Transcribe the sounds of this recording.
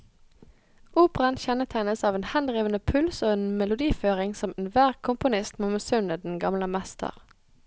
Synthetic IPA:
ʔuːpʁɑnçɛnət̪ʰæɪnəsɑːʋeːnhɛnd̪ʁiːʋənəpʰʉlsoːeːnmɛlʊd̪iːføːʁɪŋsɔmeːnʋæːʁkʰʊmpʊnɪst̪mɑməsʉnəd̪n̩ɡɑmləmɛst̪ʰə̰ʁ

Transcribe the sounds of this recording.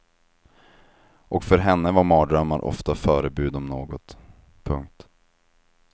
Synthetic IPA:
ʔɔkfœɾɦɛnːəvaɾmɑːd̪ɾœmːaɾʔɔ̰ft̪afœːɾəbʉ̟ːd̪ɔmnoːɡɔt̪ | pʰɵŋk̚t̪

